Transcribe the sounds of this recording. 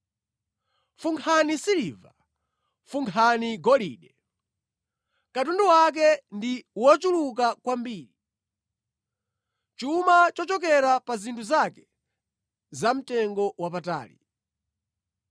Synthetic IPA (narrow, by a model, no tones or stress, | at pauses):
fuŋkʰanisiliva | fuŋkʰaniɡɔlḭːɗɛ | kat̬unduwak̬ɛndiwɔt͡ʃuluk̬akwambiːɾi | t͡ʃumat͡ʃɔt͡ʃɔk̬ɛɾapazintʰuzakɛ̥ | zam̩tɛŋɡɔwapata̰ːli